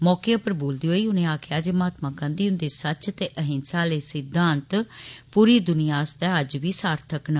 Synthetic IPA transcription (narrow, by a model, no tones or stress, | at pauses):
mɔːkeːəpəɾboːld̪iːɦoːiːʊnẽːaːkʰɪjaːd͡ʒeːmaːt̪mãːkə̃nd̪iːʊnd̪eːsət͡ʃt̪eːʔəɦɪ̃nsaːleːsɪd̪ʱːãːnt̪puːɾiːd̪ʊnijaːst̪ɛːəd͡ʒʋiːsaːɾt̪ʰəknə